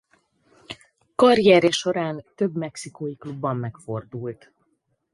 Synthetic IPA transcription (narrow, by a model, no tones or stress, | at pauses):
kɒrjɛɾɛʃo̞ɾaːnt̪øbmɛksikojiklubːɒmːɛkfo̞rd̪uːlt̪